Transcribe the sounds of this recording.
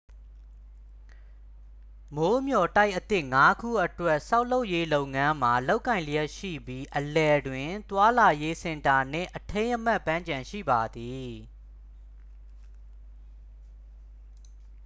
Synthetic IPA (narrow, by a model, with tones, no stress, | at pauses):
mo˦mjɔ˨ta˦ɪʔət̪ɪ˦ʔŋa˦kʰṵ˦˨ʔətwɛ˦ʔsa˦ʊʔlo˦ʊʔje˦lo˦ʊʔŋã˦m̥a˨lo˦ʊʔkːã˨ɪ̃lə˨jɛ˦ʔʃḭ˦˨bji˦ʔəlɛ˨dwɪ̃˨t̪wa˦la˨je˦sɪ̃˨nta˨n̥ɪ̰̃˦˨ʔətʰẽ˦ɪ̃ʔəm̥a˦˨ʔpːã˦ɲt͡ɕã˨ʃḭ˦˨ba˨d̪i˨